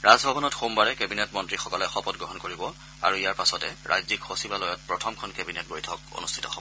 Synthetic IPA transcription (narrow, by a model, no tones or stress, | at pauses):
ɹazbʱabɔnɔtxombaɹɛkebinɛtmɔntɹixɔkɔlɛxɔpɔt̚ɡɹɔɦɔnkoɹibɔ | a̰ɹuijaɹpasɔtɛ̰ɹʔa̰jzikxosibalojɔt̚pɹɔtʰɔmkʰɔnkebinɛt̚bojtʰɔko̰nustʰi̥tɔxɔ̰bɔ